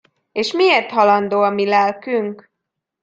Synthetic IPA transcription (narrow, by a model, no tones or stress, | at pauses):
eːʃmieːrt̪ɦɒlɒnd̪oːɒmilɛlkyŋk